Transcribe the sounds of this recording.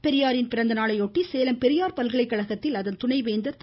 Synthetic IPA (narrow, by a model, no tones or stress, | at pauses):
pɛɾɪjaːɾɪnpɪɾɐnd̪ɐnaːɭɐɪɔʈːiseːlɐmpɛɾɪjaːɾpɐlɣɐɭɐɪkːɐɭɐɣɐt̪ːɪlɐðɐnt̪ʊɳɐɪʋeːnd̪ɐt̪